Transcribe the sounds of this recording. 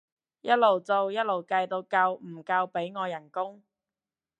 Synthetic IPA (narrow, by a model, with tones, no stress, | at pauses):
jɐ˥t̚lo˨˩wt͡so˨˧wjɐ˥t̚lo˨˩wkɐ˧jt̪o˧wkɐ˧wm̩˨˩kɐ˧wpe˨˥jŋɔː˨˧jɐ˨˩nkʊ˥ŋ